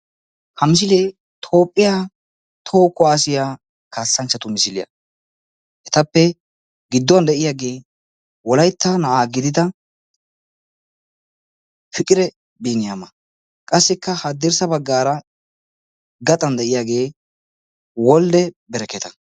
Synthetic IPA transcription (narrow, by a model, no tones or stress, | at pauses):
hɐmɪs̬ɪleː | t̪ʰo̞ːpʼːɪjaː | t̪ʰo̞ːkːɔaːsɪja | kaːsːɐnt͡ʃːɐt̪ʊmɪsɪlɪjɐ̰ | ʔɛt̪ɐpːɛ | ɡɪd̪ːɔwɐnd̪ɛʔɪjaːɡe̞ː | wɔlɐjt̪ːɐnɐʔaːɡɪd̪ɪd̪ɐ | fɪkʼɪɾɛ | biːnɪjamɐ | kʼɐsːɪkːɐhɐd̪ɪɾsɐbɐɡːaːɾɐ | ɡɐt̪ʼɐnd̪ɛʔɪjaːɡe̞ː | wɔld̪ɛbɛɾɛkːɛt̪ɐ